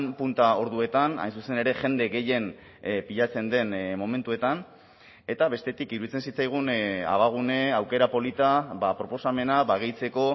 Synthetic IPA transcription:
mpunt̪ao̞ɾðue̞t̪ana̰jnsuse̞neɾe̞ʝe̞nd̪e̞ɣe̞je̞n | piʎat͡se̞nd̪e̞nmo̞me̞nt̪ue̞t̪an | e̞t̪aβe̞st̪e̞t̪ikiɾuðit͡se̞nsit͡sajɣ̞una̰β̞aɣ̞une̞awke̞ɾapo̞lit̪aβapɾo̞po̞same̞naβaɣ̞ejt͡se̞ko̞

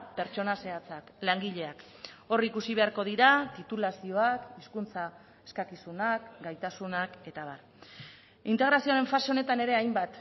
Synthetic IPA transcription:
pe̞ɾt͡ʃo̞nase̞at͡saklaŋɡiʎe̞ak | o̞rikusiβe̞aɾko̞ð̞iɾat̪it̪ulasio̞akiskunt͡sa | e̞skakisunakɡajt̪asunake̞t̪aβar | int̪e̞ɣ̞ɾasioɾe̞ɱfase̞o̞ne̞t̪ane̞ɾe̞ajmbat̪

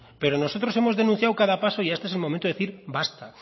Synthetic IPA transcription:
peɾonosot̪ɾo̞semozðe̞nũθjawkaðapasoiest̪oeselmomẽnt̪oeθiɾbast̪a

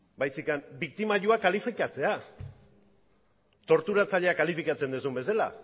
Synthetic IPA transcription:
bajsikanbik̚t̪imaʎuakalifikat͡se̞a | t̪o̞ɾt̪uɾat͡saʎe̞akalifikat͡se̞nd̪usumbe̞sela̰

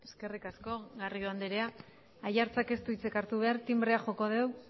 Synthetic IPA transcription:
eske̞rikasko̞ɣarioand̪eɾea | ajaɾt͡sake̞st̪uit͡se̞kaɾt̪uβ̞e̞aɾt̪imbɾeaxo̞ko̞ð̞e̞w

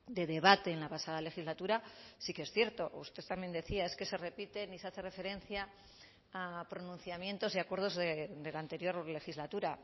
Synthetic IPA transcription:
d̪e̞ðe̞βat̪e̞ːnlapasað̞ale̞xizlat̪uɾasikee̞sθje̞ɾt̪o̞ṵst̪e̞θt̪amje̞nd̪e̞θiae̞ske̞se̞re̞pit̪e̞niseaθe̞re̞fe̞ɾe̞nθjaː | pɾonũn̟θjamje̞nt̪o̞ziakwe̞ɾð̞o̞zðed̪e̞lant̪e̞ɾjo̞ɾle̞xizlat̪uɾa

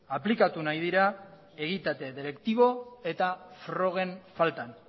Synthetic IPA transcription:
aplikat̪unajð̞iɾa | e̞ɣit̪at̪e̞ðeɾe̞kt̪iβ̞o̞e̞t̪afɾo̞ɣ̞e̞ɱfalt̪an

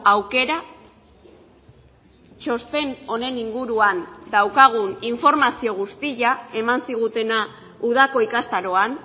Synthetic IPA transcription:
awke̞ɾa | t͡ʃo̞st̪e̞no̞ne̞niŋɡuɾuand̪awkaɣ̞uniɱfo̞ɾmasio̞ɣ̞ust̪iʎae̞mansiɣ̞ut̪e̞na | uðako̞ikast̪aɾo̞an

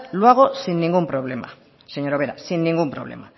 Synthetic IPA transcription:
luaɣ̞o̞sinːiŋɡumpɾo̞β̞le̞ma̰ | seɲo̞ɾoβe̞ɾa̰sinːiŋɡumpɾo̞̰β̞le̞̰ma

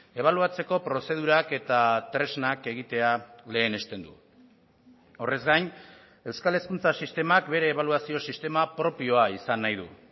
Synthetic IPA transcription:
e̞β̞aluat͡se̞ko̞pɾo̞se̞ð̞uɾake̞t̪at̪ɾe̞znake̞ɣ̞it̪e̞ale̞ːne̞st̪e̞nd̪u | o̞re̞zɡajn | e̞wskale̞skunt͡sasist̪e̞mak̚be̞ɾe̞ːβ̞aluasio̞sist̪e̞mapɾo̞pio̞aisanːajð̞ṵ

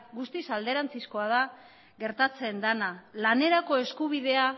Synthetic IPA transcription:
ɡust̪isald̪e̞ɾant͡sisko̞að̞a | ɣe̞ɾt̪at͡se̞nd̪analane̞ɾako̞e̞skuβ̞iðe̞a

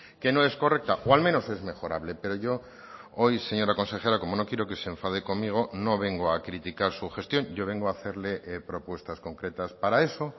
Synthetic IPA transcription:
ke̞noe̞sko̞rek̚t̪aʔoalmẽno̞se̞zme̞xo̞ɾa̰βle̞pe̞ɾo̞ʝo̞ | ojse̞ɲo̞ɾako̞nse̞xeɾako̞mono̞kjeɾoke̞seɱfað̞eko̞ŋmiɣ̞o̞no̞β̞e̞ŋɡoakɾit̪ikaɾsuxe̞st̪jo̞nɟ͡ʝo̞βe̞ŋɡoaθe̞ɾlepɾo̞pwe̞st̪asko̞ŋkɾet̪aspaɾae̞so̞

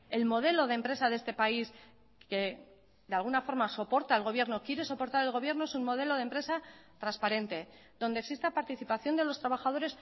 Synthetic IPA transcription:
e̞lmo̞ð̞e̞lo̞ð̞empɾe̞saðee̞st̪e̞pais | ke̞ | ðealɣ̞unafo̞ɾmaso̞po̞ɾt̪aelɣo̞βje̞ɾno̞kje̞ɾe̞so̞po̞ɾt̪aɾelɣo̞β̞je̞ɾno̞e̞summːo̞ðe̞lo̞ð̞empɾe̞sat̪ɾanspaɾe̞nt̪e̞ | ðond̪eksist̪apaɾt̪iθipaθjo̞nd̪e̞lo̞st̪ɾaβ̞axað̞o̞ɾe̞s

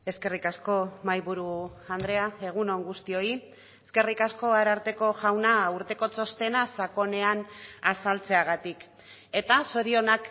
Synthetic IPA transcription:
e̞ske̞rikasko̞majβuɾuand̪ɾe̞ae̞ɣ̞uno̞ŋɡust̪io̞i | eske̞rikasko̞aɾaɾt̪e̞ko̞ʝawnauɾt̪e̞ko̞t͡so̞st̪e̞nasako̞ne̞anasalt͡se̞aɣ̞at̪ik | e̞t̪aso̞ɾio̞nak

